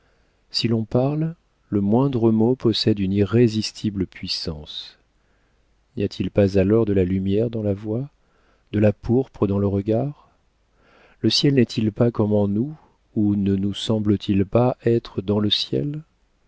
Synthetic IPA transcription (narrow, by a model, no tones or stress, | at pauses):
silɔ̃paʁl | ləmwɛ̃d̪ʁəmopɔsɛd̪yniʁezist̪ʰiblpʰɥisɑ̰̃s | nijat̪ʰilpazalɔʁd̪əlalymjɛʁd̪ɑ̃lavwa | d̪̥əlapuʁpχəd̪ɑ̃ləʁəɡaʁ | ləsjɛlnɛt̪ʰilpakɔmɑ̃nu | unənusɑ̃blət̪ʰilpaʔɛt̪χəd̪ɑ̃ləsjɛ̰l